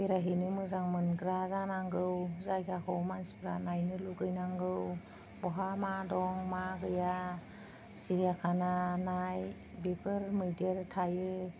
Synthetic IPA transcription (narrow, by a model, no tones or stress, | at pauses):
beɾaɦinɯmɯzaŋmɯnɡɾazanaŋɡɯwzajɡakʰɯwmanspɾanajnɯluɡɯjnaŋɡɯw | bɔɦamadɔŋmaɡɯja | siɾijakʰananaj | bikʰɯɾmɯjdieɾtʰajɯ